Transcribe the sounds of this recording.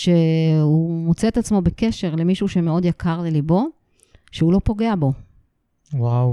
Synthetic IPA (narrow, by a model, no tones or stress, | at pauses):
ʃeumot͡seet̪at͡smo̞beke̞ʃe̞ʁle̞miʃuʃemeo̞d̪jakʰaʁlelibo̞ | ʃeulo̞po̞ɡe̞abo̞ | waw